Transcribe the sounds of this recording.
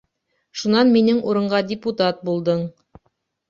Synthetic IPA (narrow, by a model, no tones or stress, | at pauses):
ʃunɑnminɘŋʔuɾɤ̆ɴɢɑdʲɪput̪at̪̚bulˠd̪ɤɴ